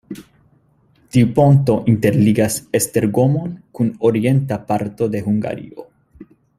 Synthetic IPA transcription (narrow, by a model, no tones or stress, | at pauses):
t̪iupo̞nt̪o̞ʔint̪e̞ɾliɡasest̪e̞ɾɡo̞mo̞nkunoɾie̞nt̪apaɾt̪o̞d̪e̞huŋɡa̰ɾḭo̞̰